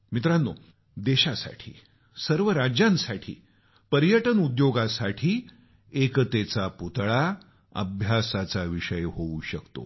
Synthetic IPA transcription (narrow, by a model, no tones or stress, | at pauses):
mit̪ɾanːo | d̪eɕasa̰ʈʰḭː | səɾʋəɾad͡ʑjãnsaʈʰḭː | pəɾjəʈənud̪joɡasaʈʰiː | ekt̪et͡saput̪ɭa | ə̰bʱjasat͡saʋiɕəjɦouɕəkt̪o̰